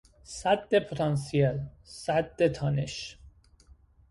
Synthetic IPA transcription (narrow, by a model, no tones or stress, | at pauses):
sæd̪ːepʰoɾɑnsielsæd̪ːet̪ʰɒneʃ